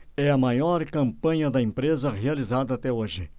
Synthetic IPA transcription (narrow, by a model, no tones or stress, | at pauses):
ɛɐmajɔɾkɐ̃mpɐ̃ɲɐd̪ɐẽmpɾezɐʁealizad̪ɐːt̪ɛoʒɪ